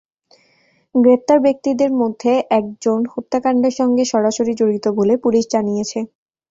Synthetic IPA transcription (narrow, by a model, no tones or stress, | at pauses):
ɡɾep̚t̪aɾbek̚t̪id̪eɾmod̪ʱːeʔɛk̚d͡ʑonhot̪ːakaɳɖeɾʃɔŋɡeʃɔɾaʃoɾid͡ʑoɾit̪obolepuliʃd͡ʑanijet͡ɕʰe